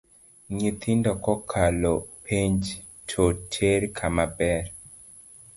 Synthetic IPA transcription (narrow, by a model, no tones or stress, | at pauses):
ɲit̪ɪndɔkɔkʰalopʰiɲd͡ʒ | tʰotʰeɾkʰamabɛɾ